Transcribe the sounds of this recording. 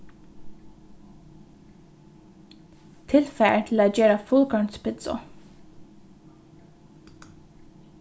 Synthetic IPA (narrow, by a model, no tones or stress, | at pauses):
t̪ʰɪlfæət̪ʰɪlæːd͡ʒøːɾafʊlkʰɑɳspʰɪt̪sɔ̰